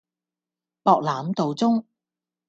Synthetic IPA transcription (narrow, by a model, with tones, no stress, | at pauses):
pɔː˨k̚laː˨˥mt̪o˨wt͡sʊ˥ŋ